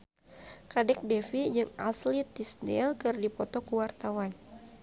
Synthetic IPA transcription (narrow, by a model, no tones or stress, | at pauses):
kadɛk̚dɛfid͡ʒɨŋaslit̪isnɛ̰lkɨrdipɔt̪ɔkəwart̪awan